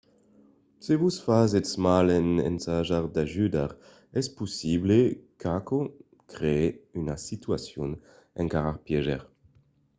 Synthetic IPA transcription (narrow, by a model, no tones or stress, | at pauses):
sevusfazesmalenḛnsaʒaʁd̪aʒyd̪aʁ | ɛspusiblekako | kʁeeynasit̪yasjun | ɛŋkaʁaʁpjɛʒɛ̰ʁ